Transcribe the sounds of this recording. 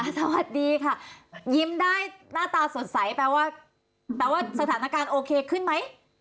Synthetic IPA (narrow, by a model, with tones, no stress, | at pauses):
ʔa˧˩sa˧wa˨˩t̪̚diː˧kʰa˥˩ji˦˥mdaː˥˩jnaː˥˩t̪aː˧so˨˩˦t̪̚sa˩˦jpɛː˧waː˥˩ | t̪ɛː˨˩waː˥˩sa˧t̪ʰaː˩˦na˦˥kaː˧nʔoː˧kʰeː˧kʰɯ˥˩nma˦˥j